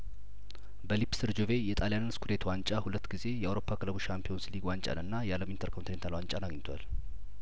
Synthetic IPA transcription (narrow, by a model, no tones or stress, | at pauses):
bəlipsɨɾd͡ʒove̞jɛt̪ʼaljanɨnskʰud̪e̞t̪ʰwant͡ʃʼahulət̪ːɡize̞jɛʔawɾo̞pʰːakɨləbuʃampʰio̞nsliɡwant͡ʃʼa̰nɨnːajaləmint̪ʰəɾkʰont̪inent̪ʰalwaɲt͡ʃʼanaɡɲt̪ʰwa̰l